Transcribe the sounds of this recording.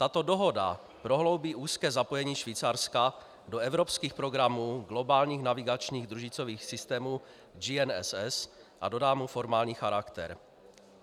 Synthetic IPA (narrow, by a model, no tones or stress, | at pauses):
t̪at̪o̞do̞ɦo̞da̰ | pɾo̞ɦlo̞wbiːʔuːskɛːzapo̞jɛɲiːʃviːt͡saɾska | do̞ɛvɾopskiːxpɾo̞ɡɾamuːɡlo̞baːlɲiːxnavɪɡat͡ʃɲiːɣd̪ɾuʒɪt͡so̞viːxsɪst̪ɛːmuː | d͡ʒiɛnɛ̰sɛs | ʔa̰do̞daːmufo̞ɾmaːlɲiːxaɾakt̪ɛ̰ɾ